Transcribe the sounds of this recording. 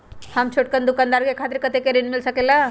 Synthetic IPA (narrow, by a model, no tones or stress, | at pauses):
həmt͡ʃʰoʈ̚kənd̪ʊkand̪aɾkekʰaːt̪ɪɾkət̪ekeɾinmilsəkela